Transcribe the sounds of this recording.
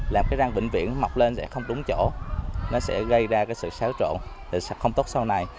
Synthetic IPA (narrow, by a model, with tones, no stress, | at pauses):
laː˨˩mkaː˨˦za˧ŋɓï˧˨ŋ̟vḭ˧˨ənma˨˩wk͡p̚le˧nsɛ̰˧˥xə˧wŋ͡mɗʊ˨˦ŋ͡mt͡ɕo̰˧˩nɔ˨˦sɛ̰˧˥ɣə˧jzaː˧kaː˨˦jsɨ̰˧˨saː˨˦wt͡ɕo̰˧˨nt̪ʰi˨˩˧xə˧wŋ͡mt̪o˦˥t̚sa˧wna˨˩j